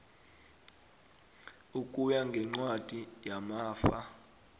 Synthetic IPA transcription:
ukʼujaŋɡʱɛŋ͡ǀwad̥ʱʼijamaːfa

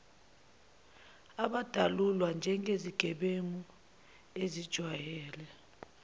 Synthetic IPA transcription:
aɓad̥ʱalulwand͡ʒʱɛŋʱeziɡ̥ʱɛɓemu | ezid̥ʒ̥ʱwajɛːlɛ

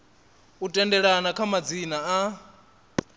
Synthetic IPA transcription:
utʼɛndɛɺanakʰamad͡zinaː

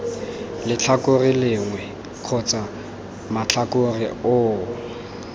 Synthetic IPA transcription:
lɪt͡ɬʰakʊrɪlɪŋwɛ | kʰɔt͡sʼa | mat͡ɬʰakʊrɪ̰ʊː

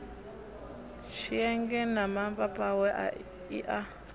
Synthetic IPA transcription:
ʃiɛŋɡɛnamambapʼawɛʔa̰ | iʔa

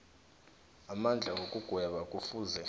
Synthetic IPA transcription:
amand͡ɮʱaw̬okʼuɡ̥ʱwɛɓakʼufuzɛ

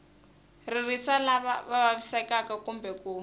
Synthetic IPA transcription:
ririsalaβaβaβaβisakakakumbɛkuː

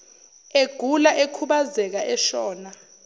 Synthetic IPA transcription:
eɡ̥ʱulaʔekʰuɓazɛk̬aʔɛʃɔːna

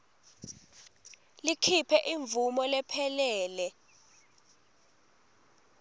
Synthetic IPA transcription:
likʰipʰɛʔiɱb̪vumɔlɛpʰɛlɛːlɛ

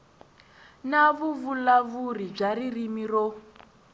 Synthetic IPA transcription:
naβuvulaβurib͡ʐaririmirɔ

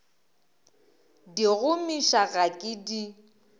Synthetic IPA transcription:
diɣʊmiʃaɣakʼɪdi

